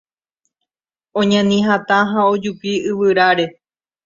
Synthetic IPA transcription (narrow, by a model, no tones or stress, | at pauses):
õɲãnĩɦãt̪ãɦãod͡ʒupiɨʋɨɾaɾe̞